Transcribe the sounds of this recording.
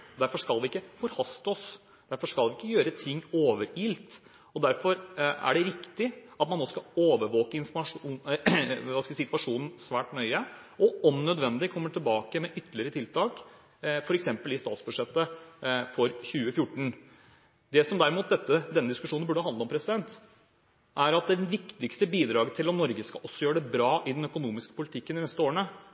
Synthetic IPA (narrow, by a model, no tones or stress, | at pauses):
d̪æɾfɔʂkɑlˠʋɪɪkːəfɔɾhɑst̪ɔs | d̪̥æɾfɔʂkɑlʋɪɪkːəjøːɾət̪ʰɪŋːoːʋəɾiːlt̪ | ɔd̪æɾfɔɾæ̰ɖɛɾɪkt̪ɪʔɑt̪mɑnoːskɑoːʋəɾʋoːkəɪnfɔmɑʂuː | ʋɑsksɪt̪ʋɑʂuːnn̩sʋæːʈnœʏə | ɔɔmnœd̪ʋɛnd̪ɪkʰɔmːəʈʰɪlbɑːkəmɛʔʏt̪ːəlɪəɾət̪ʰɪlt̪ʰɑːk | fɔɾɛksɛmpəlɪst̪ɑ̰ːt̪sbʉʂɛt̪ːəfɔɾçʉːəfjʊʈːɳ̩ | d̪ɛsɔmd̪æɾɪmuːt̪̚d̪ɛt̪ːəd̪ɛnːəd̪ɪskʉʂuːnnbʉɖəhɑnd̪əɔmpʰɾɛsɪd̪ɛnt̪ | ʔæɾɑt̪̚d̪ɛʋɪkt̪ɪkst̪əbiːd̪ɾɑːɡət̪ʰɪlɔmnɔɾɡəskɑʔɔsːɔjøːəɖɛbɾɑːʔɪd̪nœkʊnuːmɪskə̥pʰʊlɪt̪ʰɪkːənɪnɛst̪əoːɳə